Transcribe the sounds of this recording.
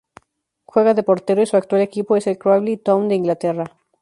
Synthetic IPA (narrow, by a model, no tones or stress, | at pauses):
xwe̞ɣaðe̞po̞ɾt̪e̞ɾoisuakt̪wale̞kipo̞ese̞lkɾoaβlit̪ownd̪eiŋɡlat̪e̞ra